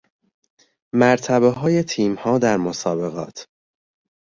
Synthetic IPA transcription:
mæɾt̪ʰæβeɦɒːje̞t̪ʰiːmhɒːd̪æɾmosɒːbe̞ɣɒ̰ːt̪ʰ

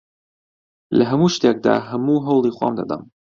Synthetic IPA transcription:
lɐɦɐmuːʃt̪ek̚d̪a̰ːɦɐmuːɦɐwlˠiːxwa̰ːmd̪ɐ̰d̪ɐ̰m

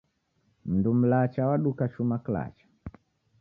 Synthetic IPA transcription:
m̩ndum̩lat͡ʃawaɗukaʃumakla̰t͡ʃḁ

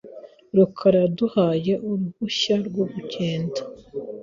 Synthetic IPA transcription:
ɾukʰaɾaduhaːje̞ʔuɾuβuʃaɾɡwoβuɟeːndḁ

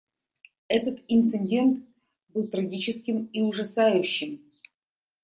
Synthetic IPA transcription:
ɛt̪ət̪ɪnt̪sɨnʲdʲe̞nt̪ | bɨlˠt̪ɾɐɡʲit͡ɕɪskʲɪmiʊʐɐsajʉɕːɪm

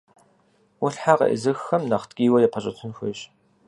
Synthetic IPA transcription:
wʊɬħaqɐ̰ʔə̰zɨxxɐmnɐχtɡʲʼiːwɐjɛpʰɐɕʼɐtʰɨnxʷɪɕ

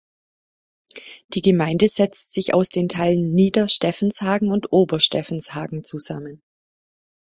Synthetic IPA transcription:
d̥iːɡəmaɪndəzɛt͡stz̥ɪça̰ʊsd̥eːntʰaɪlənːiːdɐʃtɛfn̩shaːɡŋ̩ʊntʔoːbɐʃtɛfn̩shaːɡŋ̩t͡suzamən

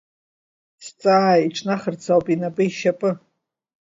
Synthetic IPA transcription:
st͡sʼaiʈ͡ʂʰnaχərt͡sʰawpʼinapʼɨiʃapʼɨ

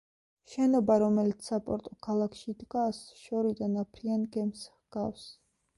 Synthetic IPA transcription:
ʃɛnɔbaɾɔmɛlit̪sʰːapʼɔɾt̪ʼɔkʰalˠakʰʃid̪ɡasʃɔɾid̪anapʰɾianɡɛmshɡ̥afs

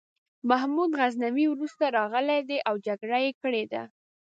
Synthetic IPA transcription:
maɦmud̪ɣaznamiwɾust̪aɾɑɣəled̪eʔawd͡ʒaɡɽajekəɽed̪a̰

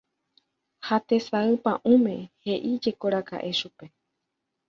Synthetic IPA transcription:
hat̪e̞saɨpãʔũmẽ̞he̞ʔid͡ʒe̞ko̞ɾaka̰ʔe̞ʃupe̞

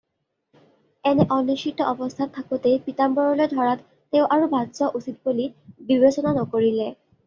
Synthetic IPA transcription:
ɛnɛʔɔniʃitːɔɔbɔst̪ʰantʰːakutepitambɔɹɔlojdʱɔɹatː | eʊʔaɹubʱadzɔʔusit̚bolibibesɔnanɔkoɹilɛ

